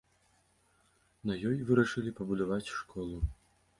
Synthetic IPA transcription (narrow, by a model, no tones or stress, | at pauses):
nɐjɔjvɨɾɐʂɨlʲipɐbud̪avat͡sʲʂkʰɔlˠu